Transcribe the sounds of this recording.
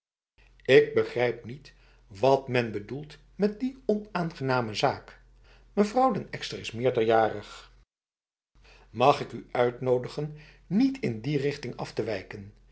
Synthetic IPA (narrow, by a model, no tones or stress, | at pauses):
ɪɡ̚bəχrɛjp̚nit | ʋɑtmɛnbədulˠt | mɛt̚diɔnaːnχənaːməzaːk | məvrɑwdənɛkstəɹɪsmɪːɹdəɹjaːrəχ | mɑχɪkyœɥtnowdəχənː | itʰɪndirɪχtɪŋɑ̰ftəʋɛjkən